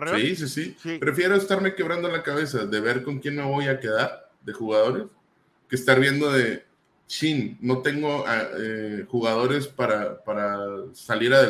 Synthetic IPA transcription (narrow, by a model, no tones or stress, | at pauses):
sis̬isipɾe̞fje̞ɾo̞est̪aɾme̞ke̞β̞ɾand̪o̞lakaβ̞e̞saðe̞βe̞ɾko̞ŋkje̞nme̞βo̞jake̞ðaɾ | ðe̞xuɣaðo̞ɾe̞s | keːst̪aɾβje̞nd̪o̞ðe̞ | t͡ʃinːo̞t̪e̞ŋɡo̞aexuɣað̞o̞ɾe̞spaɾapaɾasaliɾaðe